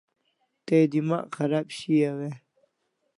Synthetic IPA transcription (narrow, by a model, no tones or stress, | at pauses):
t̪ed̪ima̰ʔxɐɾaːbɕiawe